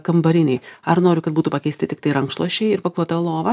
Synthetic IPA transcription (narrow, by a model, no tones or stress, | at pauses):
kɐmbɐɾʲɪnʲɛɪɐrnoːɾʲʊkɐt̪̚buːt̪uːpɐkʲɛɪsʲt̪ʲɪt̪ʲɪk̚t̪ɐɪɾɐŋkʃtlˠuɔʃʲɛɪɪɾpɐklˠuɔt̪ɐlˠoːʋɐ